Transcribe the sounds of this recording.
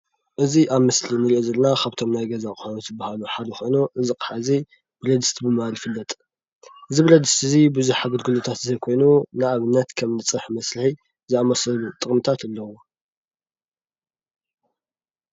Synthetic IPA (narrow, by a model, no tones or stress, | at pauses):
ʔɨziʔaβmɨslinɨɾiʔozɐlnakʰaβt̪ʰo̞mnajɡɐzakʼxonozɨbːahaluħad̪ɐxo̞jnuʔɨziqʼħazi | b̥ɨɾɐd̪ɨst̪ʰbɨmalfɨlːɐt̪ʼ | ʔɨzibɾɐd̪ɨst̪ɨzibɨzuħaɡɨlɡɨlut̪ʰat̪zɐjkʰo̞jnunɨʔaβɨnːɐt̪kʰɐmnɨt͡sʼɨħmɐsɾɨħi | zɨamɐsɐlut̪ʼɨχʼmɨt̪ʰat̪ɨlːɐwo